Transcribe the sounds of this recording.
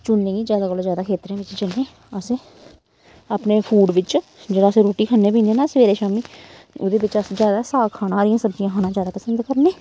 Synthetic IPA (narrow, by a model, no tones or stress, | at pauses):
t͡ʃʊnːẽːɡiːd͡ʒjaːd̪aːkəloːzjaːd̪aːkʰeːt̪ɾẽːʋɪt͡ʃt͡ʃənːẽː | əseː | əpneːpʰuːɖʋɪt͡ʃd͡ʒeːɽaːsẽɾoːʈiːkʰənːẽːp̬ĩːnd̪eːnaːsʋeːɾeːʃaːmiː | ʊd̪eːbɪt͡ʃəsd͡ʒjaːd̪aːsaːkʰaːnaːɾijãːsəbd͡ʒɪjãːaːnãːd͡ʒjaːd̪aːpəsənd̪kəɾnẽː